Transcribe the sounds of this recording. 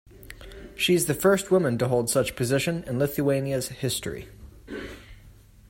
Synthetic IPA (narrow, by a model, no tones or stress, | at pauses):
ʃiɨzðɨfɜ˞st̚wʊmə̃ntəɦoʊlˠd̥sʌt͡ʃpʰɨzɪʃɨ̃nɨ̃nlɪθuẽɪ̃niɨz̥hɪstɹ̥ḭ